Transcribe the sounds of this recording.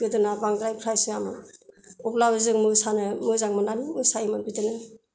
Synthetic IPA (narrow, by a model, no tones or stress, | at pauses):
ɡɯdɯnabaŋdɾajpʰɾajsɯamɯ | upʰlabɯzɯŋmɯsanɯmɯzaŋmɯnanimɯsaimɯnbitɯnɯ